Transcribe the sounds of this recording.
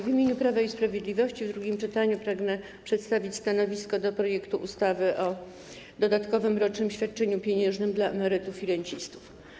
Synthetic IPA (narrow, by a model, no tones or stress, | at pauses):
vʲimʲjeɲupɾavaispɾavʲjed̪lʲivɔɕt͡ɕivd̪ɾuɡʲimt͡ʂɘt̪aɲupɾaɡnɛ | pʂɛt̪st̪avʲit͡ɕʲst̪anɔvʲiskɔd̪ɔpɾɔjɛkt̪uʔust̪avɘʔɔ | d̪ɔd̪at̪kɔvɘmɾɔt͡ʂnɘmɕfʲjat̪̚t͡ʂɛɲupʲjeɲɛʐnɘmd̪laɛmɛɾɘt̪ufiɾɛɲt͡ɕist̪u̥f